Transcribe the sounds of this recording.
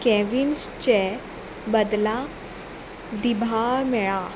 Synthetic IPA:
kɛʋinst͡ɕɛ | bəd̪la | d̪ibʱamɛɭa

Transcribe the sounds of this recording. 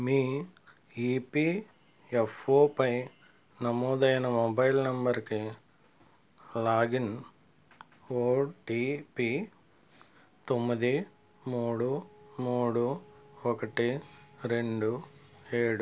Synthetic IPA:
miː | iːpiː | efoːpɐj | nɐmɔːd̪ɐjnɐmɔbɐjlnɐmbɐɾki | laːɡin | oːʈiːpi | t̪omːid̪i | muːɽumuːɽuɔkɐʈiɾe̞ɳɖueːɽu

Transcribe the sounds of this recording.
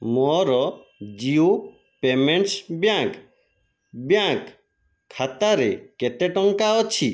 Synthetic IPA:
mɔɾɔ | d͡ʒio | pemeɳʈsbjãŋk | bjãkʰː | at̪aɾeketeʈɔŋkaɔt͡ʃʰi

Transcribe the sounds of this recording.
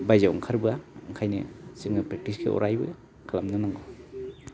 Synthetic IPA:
bajzawa̰ŋkʰaɾbɯaɯŋkʰajnɯ̰sɯŋnɯpɾek̚tiskʰḛɔ̰ɾʔajbɯ̰ | kʰalamnɯnaŋɡɔ

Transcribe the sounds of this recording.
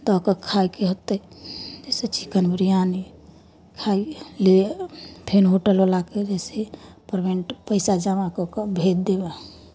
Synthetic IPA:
d̪ɔkəkʰajkeɦot̪ːəid͡ʒɛset͡ʃi̥kənbɾijani | kʰailepʰenɦoʈəlolaked͡ʒɛsepəɾbeɳʈpəɪsad͡ʒamakokəbʱed̪̚d̪eba

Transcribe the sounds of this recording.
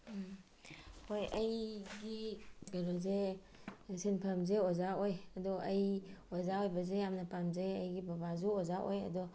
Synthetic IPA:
hojɐjɡiɡaɾɔze | sinpʰamzeozaojɐdɔɐjozaojbɐzejamnapamzeɐjɡibɐbazuozaʔo̰jɐ̰dɔ

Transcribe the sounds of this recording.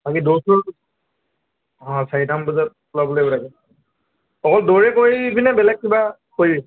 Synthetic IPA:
bakidosɔɹ | ɔ̃saɹitambuzat̚kulabɔlobɔlaɡɛ | ɔkɔldoɹɛkojibinɛbɛlɛk̚kibakoi

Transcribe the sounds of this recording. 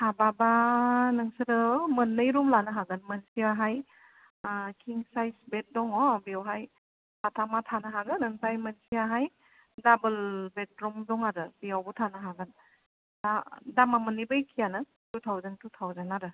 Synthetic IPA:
hababanɯŋsɯɾɯmɯnːɯjɾumlanɯɦaɡɯnmənsiaɦaj | kʰiŋsajsbet̚dɔŋɔbiawɦaj | patʰamatʰanɯɦaɡɯnɯŋsajmənsiaɦaj | dabɯlbet̚ɾɔmdɔŋaɾɯbiawbutʰanɯɦaɡɯn | dadamamɯnːibɯjkʰijanɯ | tutʰawzantutʰawzanaɾɯ

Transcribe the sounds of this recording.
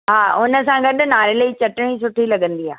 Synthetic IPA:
ɦaːʊnə̆sãɡɐɗʊ̆naːɾelɐit͡ɕɐʈɪɽ̃isʊʈʰilɐɠə̃nd̪ia̰ː

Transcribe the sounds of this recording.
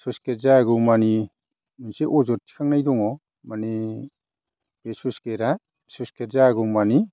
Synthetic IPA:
suskeɾzaɡuwmani | miseʔɔzɔɾtʰi̥kʰaŋnajdɔŋɔ | mani | b̥esuskeɾa | suskeɾzaɡuwmani

